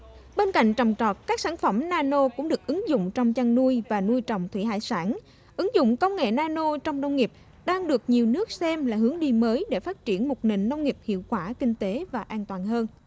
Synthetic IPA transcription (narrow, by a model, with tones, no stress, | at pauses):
ɓe˧nka̰˧˨jŋ̟t͡ɕɔ˨˩wŋ͡mt͡ɕɔ˨˩t̚kaː˦˥k̚saː˧˩nfə˧˩mnaː˧no˧kʊ̰˧˥ŋ͡mɗɨ˨˩ək̚ʔɨ˨˦ŋzʊ̰˧˨ŋ͡mt͡ɕɔ˧wŋ͡mt͡ɕa˧ŋnu˧əjvaː˨˩nu˧jt͡ɕɔ̰˧˨wŋ͡mt̪ʰwi˧˩ha̰ː˧˨jsaː˧˩n | ʔɨ˨˦ŋzʊ̰˧˨ŋ͡mkə˧wŋ͡mŋḛ˧˨naː˧no˧t͡ɕɔ˧wŋ͡mnə˧wŋ͡mŋi˨˩əp̚ | ɗaː˧ŋɗɨ˨˩ək̚ɲi˨˩əwnɨ˦˥ək̚sɛ˧mlaː˨˩ɦɨ˨˦əŋɗi˧məː˨˦jɗe˧˩faː˦˥t̚t͡ɕi˧˩ənmo˨˩t̚nḛ˧˨˩ŋ̟nə˧wŋ͡mŋi˨˩əp̚hḭ˧˨əwkwaː˧˩kï˧ŋ̟t̪e˨˦vaː˨˩ʔaː˧nt̪waː˨˩nɦəː˧n